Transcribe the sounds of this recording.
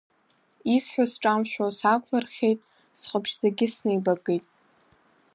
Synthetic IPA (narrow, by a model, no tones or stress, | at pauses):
isħʷᶣasʈ͡ʂʼamʃᶣʷosakʷʰlarχʲejtʼ | sχʼəpʰʃzaɡʲɪsnejbaɡejtʼ